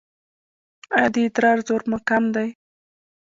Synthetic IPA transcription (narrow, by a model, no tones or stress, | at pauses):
ad̪it̪ɾɑɾzoɾmakamd̪aj